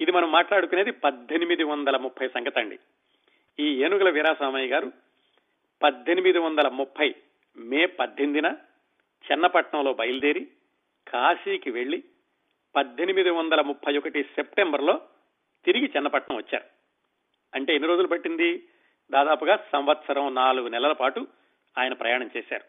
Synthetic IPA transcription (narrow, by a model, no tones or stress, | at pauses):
id̪imɐnɐmːaːʈlaːɽukune̞ːd̪ipɐd̪ʱːenimid̪iʋɐnd̪ɐlɐmupʰːɐjsɐŋɡɐt̪ɐɳɖḭ | iːeːnuɡɐlɐʋiːɾaːsaːmɐjɡaːɾu | pɐd̪ʱːenimid̪iʋɐnd̪ɐlɐmupʰːɐj | meːpɐd̪ʱːend̪inɐ | t͡ʃɛnːɐpɐʈɳɐmlo̞ːbɐjɐlud̪eːɾi | kʰaːsiːkiʋe̞ɭːi | pɐd̪ʱːenimid̪iʋɐnd̪ɐlɐmupʰːɐjɔkɐʈisep̚ʈembɐɾlo̞ː | t̪iɾiɡit͡ʃɛnːɐpɐʈɳɐ̃mʋɐt͡ʃːa̰ːɾu | ɐɳʈe̞enːiɾo̞ːd͡ʒulupɐʈːind̪i | d̪aːd̪aːpuɡaːsɐmʋɐt̪sɐɾɐmnaːluɡunɛlɐlɐpaːʈu | aːjɐnɐpɾɐjaːɳɐmt͡ʃeːʃa̰ːɾu